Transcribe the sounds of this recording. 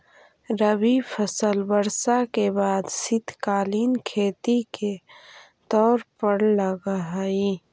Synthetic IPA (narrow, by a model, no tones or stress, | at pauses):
ɾəwipʰəsəlbəɾsakebaːd̪sɪt̪ʰkaːliːnkʰeːt̪ike | t̪ɔːɾpəɽləɡaɦi